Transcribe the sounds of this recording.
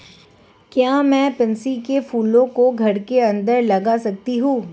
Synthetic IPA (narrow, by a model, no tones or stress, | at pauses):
kjaːmɛ̃ːpɪ̃nsikefuːlõkoɡʱɐɽkeɐ̃nd̪əɾlɐɡasɐk̚t̪iɦũː